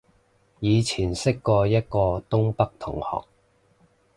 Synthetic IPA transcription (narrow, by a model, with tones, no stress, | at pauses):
jiː˨˧t͡sʰiː˨˩nsɪ˥kːɔː˧jɐ˥t̚kɔː˧t̪ʊ˥ŋpɐ˥k̚t̪ʰʊ˨˩ŋhɔ̰ː˨k̚